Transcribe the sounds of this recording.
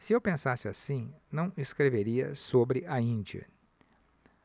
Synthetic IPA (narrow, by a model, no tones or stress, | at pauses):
sɪewpẽsasɪasĩnɐ̃w̃eskɾeveɾiɐ̰sobɾɪʔɐĩd͡ʒiɐ̰